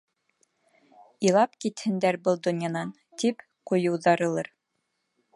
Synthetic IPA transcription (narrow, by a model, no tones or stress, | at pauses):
ilˠɑpkit̪hɘ̆nd̪æɾbɤlˠd̪ŏnjɑnɑn | t̪ip | qujɤ̆wðɑɾɤ̆lˠɤɾ